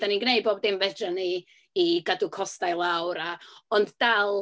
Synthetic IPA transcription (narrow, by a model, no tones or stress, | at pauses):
d̥aninɡnejboːb̚dɪmvɛdaniː | ɡadukʰɔstajlˠawɾaɔnddalˠ